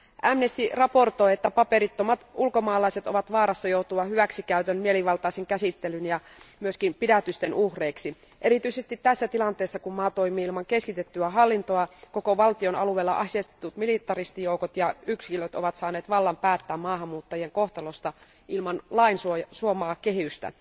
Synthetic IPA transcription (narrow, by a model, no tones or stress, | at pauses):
ʔæmnest̪irɑport̪o̞jet̪ːæpɑpeɾit̪ːomɑt̪ulkomɑːlɑiset̪oʋɑt̪ʋɑːɾɑsːɑjout̪uʋɑhyʋæksikæyt̪ønmieliʋɑlt̪ɑiseŋkæsit̪ːelynjɑ | myøskimpidæt̪yst̪enʔuhreːksi | ʔeɾit̪yisest̪it̪t̪æsːæt̪ilɑnt̪eːsːɑkummɑːt̪oimiːilmɑŋkeskit̪et̪ːyæɦɑlːint̪oɑkokoʋɑlt̪ionɑ̰luʋeːlːɑ̰ʔɑsest̪it̪ut̪milit̪ːˑɑrist̪ijoukot̪jɑykskilot̪o̰ʋɑt̪sɑːneːt̪ʋɑlːɑmpæːt̪ːæːmmɑːɦɑmːuːt̪ːɑjieŋkoht̪ɑlost̪ɑ | ʔilmɑnlɑinsusuomɑːkeɦyst̪æ̰